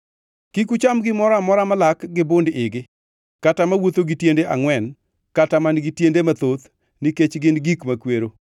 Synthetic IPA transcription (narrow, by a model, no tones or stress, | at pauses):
kikut͡ʃamɡɪmɔɾamɔɾamalakɡɪbondɪɡɪ | katamawot̪oɡitjendeʔa̰ŋwɛn | katamanɡɪtjendemat̪ot̪ | niket͡ʃɡɪnɡikmakweɾo